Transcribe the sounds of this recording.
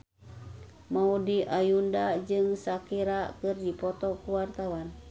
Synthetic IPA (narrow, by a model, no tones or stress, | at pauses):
maudiʔajundad͡ʒɨŋsakiɾakɨrdipɔt̪ɔkuwart̪awan